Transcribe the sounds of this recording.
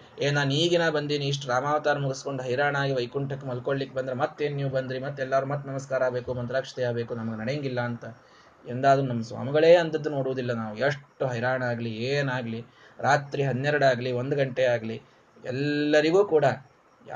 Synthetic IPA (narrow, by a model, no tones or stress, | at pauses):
eːnaːniːɡinaːbɐnd̪iːniːʂ̬ʈɾaːmaːʋɐt̪aːɾɐmuɡesko̞ɳɖuɦɐjɾaːɳaːɡiʋɐjkuɳʈɐkːemɐlkoɭlikːebɐnd̪ɾemɐt̪ːeːnnjiʋbɐnd̪ɾimɐt̪ːɛlːaːɾumɐt̪ːunɐmɐskaːɾaːbe̞ːkumɐnt̪ɾaːkʂɐ̥t̪ɛjaːbe̞ːkunɐmɐɡenɐɽeŋɡilːɐːnt̪ɐ | end̪aːd̪ɐnunɐmːɐsʋa̰ːmiɡɐɭe̞ːɐnt̪ɐd̪ːuno̞ːɽuʋud̪ilːɐnaːʋueʂʈːuɦɐjɾaːɳɐaːɡlieːnaːɡli | ɾaːt̪ɾiɦɐd̪ːjɛɾɐɽaːɡliʋo̞nd̪uɡɐɳʈeaːɡli | ɛ̰lːɐɾiɡuːkuːɽɐ